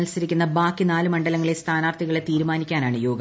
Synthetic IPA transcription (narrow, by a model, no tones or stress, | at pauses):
lsɐɾikʲːunːɐbaːkːinaːlumɐɳɖɐlɐŋːɐɭest̪ʰaːnaːrt̪ʰiɣɐɭet̪iːɾumaːnikʲːaːnaːɳɨjoːɡɐ